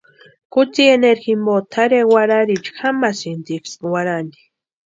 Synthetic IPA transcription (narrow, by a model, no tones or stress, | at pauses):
kʊt͡sieneɾximbot̪ʰaɾewaɾaɾit͡ʃxamasind̪ikswaɾand̪i̥